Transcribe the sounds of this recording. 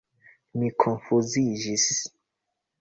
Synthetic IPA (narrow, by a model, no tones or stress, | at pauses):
mikʰonfuzid͡ʒis